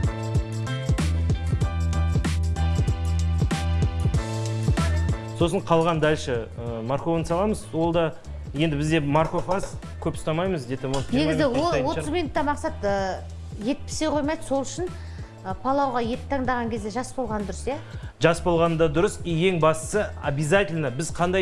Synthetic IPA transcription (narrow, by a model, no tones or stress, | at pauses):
so̞səɴqʰɑlˠʁɑnd̪ælʃəəmaɾko̞vənsɑlˠɑməzwo̞lˠd̪ɑ | je̞nd̪ɪbɪzd̪e̞mɑɾko̞fɑz | kʲʰɵpst̪ɑmɑjməzd̪et̪emonne̞ɡʲɪzɪwowo̞t̪əzminʊt̪ːɑmɑqsɑt̪ə | je̞t̪̚pɪ̥sejqʰo̞jmɑjd̪əso̞lˠʏʃɪn | əpʰɑlˠɑwʁɑje̞t̪ɪ̥p̚t̪ʰɑɴd̪ɑʁɑŋkʲʰe̞zd̪e̞ʒɑsbo̞lˠʁɑnəd̪ʊɾəsjaʒɑsbo̞lˠʁɑnəd̪ɑd̪ʊɾəsije̞ŋbɑst̪ə̥səabʲizatʲɪlʲnəbɪzqʰɑnd̪ɑ